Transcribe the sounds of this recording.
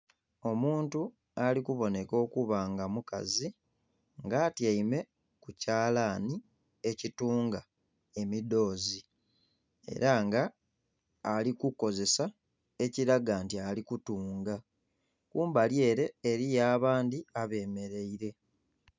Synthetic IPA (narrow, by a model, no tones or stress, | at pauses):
o̞muːntu | alikuβo̞ne̞ko̞ːkuβaːŋɡamuka̰zi | ŋɡaːtjaime̞ | kucaːlaːni | e̞cituːŋɡa | e̞mido̞ːzi | e̞̰ɾaŋɡaː | likuko̞ze̞sa | e̞ciɾaɡaːntialikutuːŋɡa | kuːmbalje̞ːɾe̞ːɾijaːβaːndiaβe̞ːme̞ɾe̞iɾe̞